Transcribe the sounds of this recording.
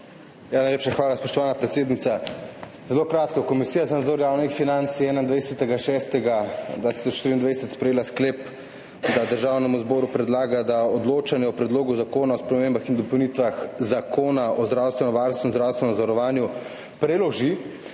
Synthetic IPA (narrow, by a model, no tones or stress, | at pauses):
janajleːpʃaxʋaːlaspɔʃt̪ɔʋaːnapɾɛt̪seːd̪nit̪a | zɛlokɾaːt̪kɔkɔmisiːjazanad̪zoːɾjaːwnixfinant̪siɛːnaind̪ʋajsɛt̪ɛɡaʃɛst̪ɛɡad̪vʋaːt̪i̥sɔt͡ʃʃt̪iɾind̪ʋajsɛt̪spɾɛjeːlaskleːp | d̪ad̪əɾʒaːwnɛmuzbɔːɾupɾɛd̪laːɡad̪aɔd̪loːt͡ʃanjɛɔpɾɛd̪loːɡuzakoːnaɔspɾɛmembaxind̪ɔpɔwnit̪ʋaxzakʰoːnaɔzd̪ɾawst̪ʋɛnɔʋaɾnst̪ʋɛmzd̪ɾawst̪ʋɛnɛmzaɾɔʋaːnju | pɾɛlɔʒi